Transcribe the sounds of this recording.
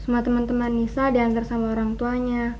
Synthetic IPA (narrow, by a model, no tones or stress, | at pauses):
səmuat̪əmant̪əmanːisadiant̪arsamaoɾaŋt̪uaɲa